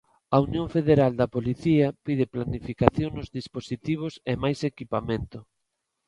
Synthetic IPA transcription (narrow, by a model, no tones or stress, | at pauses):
ɐunjõɱfeðeɾald̪ɐpoliθiɐpið̞ɪplanifikaθjoŋnʊzðisposit̪iβ̞osemajsekipamẽnt̪ʊ